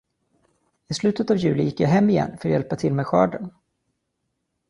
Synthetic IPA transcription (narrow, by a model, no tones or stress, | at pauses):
ɪslʉ̟ːt̪ət̪avjʉ̟ːlɪjɪkːjaɦɛmːɪjɛ̰nːfœɾjɛlpat̪ʰɪlmeːɧœ̰ːɖəɳ